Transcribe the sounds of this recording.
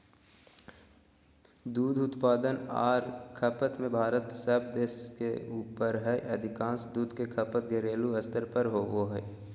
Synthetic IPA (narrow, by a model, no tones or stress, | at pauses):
d̪uːd̪ʊt̪paːd̪ənaːɾkʰəpət̪mẽbʱaːɾət̪səbd̪eːskḛuːpəɾɦɛʔɐd̪ʱɪkãːsd̪uːd̪ʱkekʰəpət̪ɡeɾeːluəst̪əɾpəɾɦoːʋoɦɛ